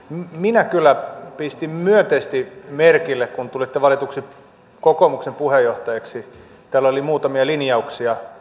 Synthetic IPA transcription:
mminækylːˑæpist̪immyønt̪eist̪imerkilːekkunt̪ulit̪ːeʋɑlit̪uksi | kokoːmuksempuhejoht̪ɑjeksi | t̪æːlolimuːt̪ɑmiɑlinjɑuksiɑ

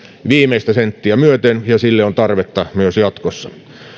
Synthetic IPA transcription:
ʋiːmeist̪æsent̪ːiæmyøt̪enjɑsilːeont̪ɑrʋet̪ːɑmyøsjɑt̪kosːɑ

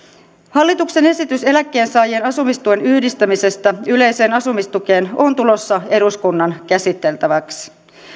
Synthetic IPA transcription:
hɑlːit̪ukse̞ne̞sit̪yse̞lækːe̞ːnsɑːjienɑsumist̪ue̞nyhdist̪æmise̞st̪æyle̞jse̞ːnɑsumist̪uke̞ːno̞nt̪ulo̞sːɑe̞ɾuskunːɑnkæsit̪ːe̞lt̪æʋæks

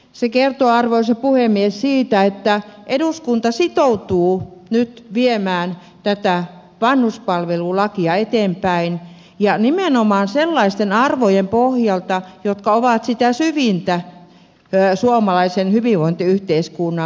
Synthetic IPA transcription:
sekert̪oɑrʋoisepuhemːiessiːt̪æet̪ːæʔeduskunt̪ɑsit̪out̪uːnyt̪ʋiemæːn | t̪æt̪æ | ʋɑnhuspɑlʋelulɑkiɑet̪eːmpæin | jɑnimenomɑːnselːɑist̪enɑrʋojempohjɑlt̪ɑjot̪kɑoʋɑt̪sit̪æsyʋint̪æ | suomɑlɑisenhyʋiʋʋoint̪iyht̪eiskunːɑ

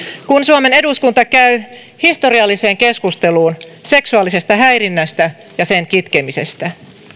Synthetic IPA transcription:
kunsuome̞ne̞duskunt̪ɑkæy | hist̪o̞riɑlːise̞ːŋke̞skust̪e̞luːnse̞ksuɑlːise̞st̪ɑɦæjrinːæst̪æ | jɑse̞ŋkit̪kemise̞̰st̪æ

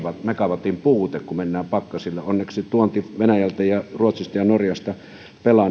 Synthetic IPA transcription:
ʋɑmekɑʋɑt̪ːˑimpuːt̪ekkumenːæːpɑkːɑsilːeonːeksit̪uont̪iʋenæjælt̪æjɑruot̪sist̪ɑjɑnorjɑst̪ɑ | pelɑ

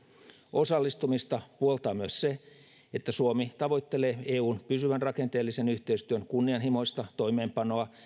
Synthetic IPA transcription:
o̞sɑlːist̪umist̪ɑpuolt̪ɑːmyøsse | et̪ːæsuomit̪ɑʋo̞jt̪ːe̞leːeːuːnpysyʋænrɑke̞nt̪eːlːise̞nyht̪eist̪yønkunːiɑnɦimo̞jst̪ɑt̪o̞jmeːmpɑno̞ɑ

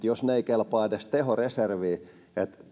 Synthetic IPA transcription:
t̪josneikelpɑːd̪est̪ehoreserʋiː | et̪

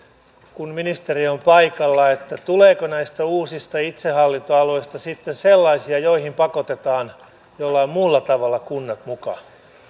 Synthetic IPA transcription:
kunminist̪eriompɑikɑlːɑet̪ːæt̪uleːkonæist̪æuːsist̪ɑit̪sehɑlːint̪oɑloist̪ɑsit̪ːenselːɑisiɑjoihimpɑkot̪et̪ɑːn | jolːɑommulːɑt̪ɑʋɑlːɑkunːɑt̪mukɑ̰

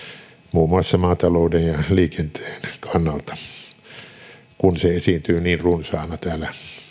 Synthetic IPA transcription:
muːmuɑsːɑmɑːt̪ɑloˑːdenjɑliːkent̪eːnkʰɑnːɑlt̪ɑ̥ | kunseesint̪yːniːnrunsɑːnɑt̪æːlæ

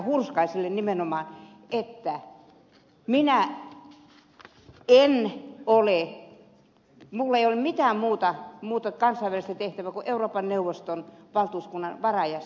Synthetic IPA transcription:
hurskɑisilːennimenomɑːn | et̪ːæ | minæ | enole | mulːeijolemmit̪æːmuːt̪ɑmuːt̪ɑkɑnsɑiʋælist̪æt̪eht̪æʋækuʔeuroːpɑnneuʋˑost̪onʋɑlt̪uːskunːɑnʋɑrɑjɑs

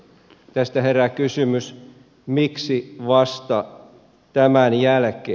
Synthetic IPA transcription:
t̪æst̪æherækysymys | miksiʋɑst̪ɑ | t̪æmænjælkeː

